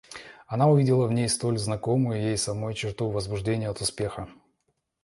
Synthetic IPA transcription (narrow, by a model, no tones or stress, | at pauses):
ɐnaʊvʲidʲɪlˠəvnʲejst̪o̞lʲznɐko̞mɨjʊjejsɐmojʊt͡ɕɪrt̪uvəzbʊʐdʲenʲɪjəɐt̪ʊspʲe̞xə